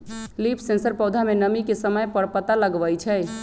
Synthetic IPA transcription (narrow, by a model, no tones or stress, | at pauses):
lipʰsẽnsəɾpəwd̪ʱamenəmikesəməjpəɽpət̪aləɡʋəjt͡ʃʰɛ